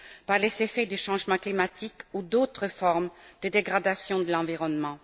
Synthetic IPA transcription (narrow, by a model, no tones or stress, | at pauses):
paʁlezefɛd̪yʃɑ̃ʒmɑ̃klimat̪ʰikud̪ot̪χəfɔʁmd̪̥əd̪eɡʁad̪asjɔ̃d̪əlɑ̃viʁɔnmɑ̃